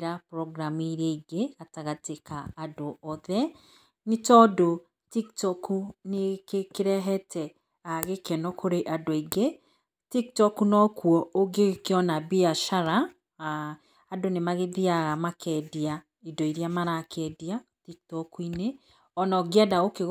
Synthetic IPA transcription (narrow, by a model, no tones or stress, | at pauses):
ɾapɾɔɡɾamiɾeiɡeataɣatekaadoɔðɛ | netɔdo | tiktɔkunekekeɾɛɦɛtʰɛ | aɣekɛnɔkʰoɾeʔadoiɡe | tiktɔkunɔkwɔoɡekeɔnabiaʃaɾa | donemaɣeðiaɣamakʰɛdia | idoiɾiamaɾakʰɛdiatik̚tɔkuine | ɔnɔɡeadaɣoke